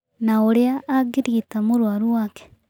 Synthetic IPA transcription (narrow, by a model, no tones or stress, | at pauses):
naoɾeaʔːɡiɾiːtamoɾwaɾuwaːke̥